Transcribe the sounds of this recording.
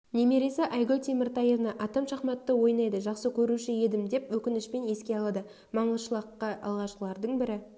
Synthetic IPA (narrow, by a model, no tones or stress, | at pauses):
neme̞ɾe̞sɪʔɑjɡolʲt̪ʰemɪɾt̪ɑjevnɑʔɑt̪ɑmʃɑχmɑt̪ːəwo̞jnɑjd̪əʒɑqsəkʲʰɵɾuʃɪje̞d̪ɪmd̪e̞pwɵkʲɪnɪʃpe̞ne̞skʲe̞ɑlˠɑd̪ə | mɑɴəzʃəlˠɑqːɑɑ̰lˠʁɑʃqəlˠɑɾd̪əɴbɪɾɪ